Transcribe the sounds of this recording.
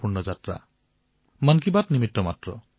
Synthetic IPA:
puɾɳɔd͡ʒat̪ɾa̰ | mankibat̪nimit̪ːɔmat̪ɾɔ

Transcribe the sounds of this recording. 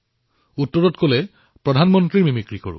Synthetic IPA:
utːɔɹɔtkolɛ | pɹɔdʱanmɔntɹiɹmimikɹiko̰ɹṵ

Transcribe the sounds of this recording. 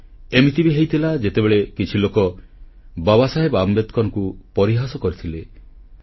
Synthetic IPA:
emit̪ibiɦejt̪ʰilad͡ʒet̪ebeɭekit͡ʃʰilokɔ | babasaɦebambet̪kɔnɔkupɔɾiɦasɔkɔɾit̪ʰile

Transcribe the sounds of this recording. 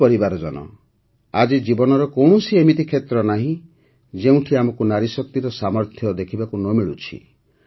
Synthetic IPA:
pɔɾibaɾɔd͡ʒɔnɔ̰ | ad͡ʒid͡ʒibɔnɔɾɔkɔwɳ̃usiemit̪ikʰet̪ɾɔnaɦĩ | d͡ʒeũʈʰiamɔkunaɾisɔk̚t̪iɾɔsamɔɾt̪ʰjɔd̪ekʰibakunɔmiɭṵt͡ʃʰḭ

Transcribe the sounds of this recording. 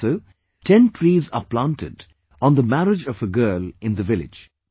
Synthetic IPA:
oʊ | ʈʰɛ̃nʈʰɹiːzə̰plãntɪ̰d | ɔ̃nd̪əmæɾɪd͡ʒʌvəɡɜːlɪ̃nd̪əvɪlɪ̰d͡ʒ

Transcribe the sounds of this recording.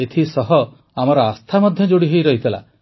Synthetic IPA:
et̪ʰisɔɦɔ | amɔɾɔast̪ʰamɔd̪ʱjɔd͡ʒoɽiɦojɾɔɦit̪ʰila̰

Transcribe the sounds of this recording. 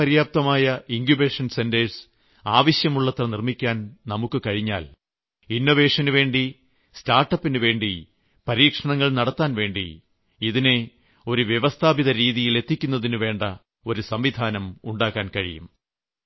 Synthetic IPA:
ɐɾijaːp̚t̪ɐmaːjɐiŋɡjubeːʂɐnse̞ndeɻs | aːʋɐɕjɐmuɭːɐt̪rɐnirmikʲːaːnnɐmukːɨkɐɻiɲːa̰ːl | inːo̞ʋe̞ːʂɐnuʋe̞ːɳɖi | staːrʈːɐpːinɨʋe̞ːɳɖi | pɐɾiːkʂɐɳɐŋːɐɭnɐɽɐt̪ːaːnʋe̞ːɳɖḭ | iðine̞ | o̞ɾuʋjeʋɐst̪ʰaːbiðɐɾiːðijile̞t̪ːikʲːunːɐðinuʋe̞ːɳɖɐ | o̞ɾusɐmʋid̪ʱaːnɐmuɳɖaːkːaːnkɐɻḭjṵm

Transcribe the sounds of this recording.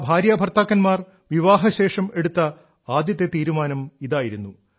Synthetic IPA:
bʱaːɾjabʱɐrt̪aːkːɐnmaːr | ʋiʋaːɦɐɕe̞ːʂɐme̞ɽut̪ːɐ | aːd̪jɐt̪ːet̪iːɾumaːnɐmiðaːjiɾunːu

